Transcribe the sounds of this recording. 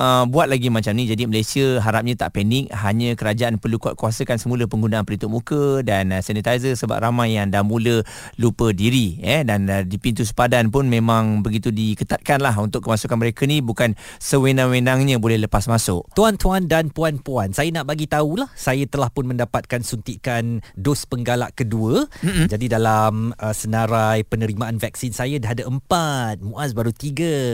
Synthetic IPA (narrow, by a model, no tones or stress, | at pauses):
ʔəbuat̪̚laɡimãt͡ʃamnid͡ʒadiməlajsiəɦaɾap̚ɲãt̪a̰ʔpɛnɪk̚ɦaɲə̃kəɾad͡ʒaanpərlukua̰ʔ̪̚kuasəkansəmũləpəŋɡunaʔanpəlint̪uʔ̚mũkədansanit̪ajzəsəba̰p̚ramajːaŋdahmũlə | lupədiɾiɛdandipint̪us̬ə̥padanp̬ʊnmẽmãŋbəɡit̪udikət̪at̪̚kanlaɦunt̪ʊkəmasukanməɾekənibukansəwenãŋwenaŋɲə̃bolɛhləpasmasʊʔ̚t̪uant̪uandanpuanpuansajanaʔbaɡit̪aulahsajat̪əlahpʊnmə̃ndapat̪̚kansunt̪iʔkandʊspəŋɡala̰ʔkəduəm̩d͡ʒadidalaməsənãɾajpənəɾimaʔanvak̚sinsajadəɦadaʔəmpat̪̚mũʔasbaɾut̪iɡə